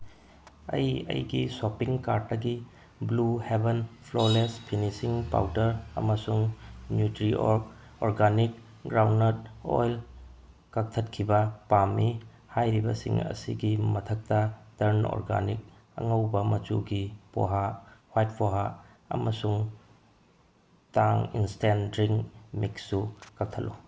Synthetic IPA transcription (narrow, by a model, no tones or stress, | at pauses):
ɐ̰jɐ̰jɡisopiŋkaɾtːɐɡi | bluhebenpʰlolespʰinisiŋpa̰wtɐɾɐ̰mɐsuŋnjutɾiʔokoɾɡanik̚ | ɡɾawnɐt̚o̰jl | kak̚tʰɐt̚kʰibɐpamːi | hajɾibɐ̰sḭŋɐ̰sḭɡimɐtʰɐk̚tɐtɐɾno̰ɾɡa̰nik̚ | ɐ̰ŋɐwbɐmɐt͡ʃuɡipo̰ɦahwajt̚pʰoɦa | ɐ̰mɐsuŋ | taŋinstendɾiŋmiksːukak̚tʰɐtlːu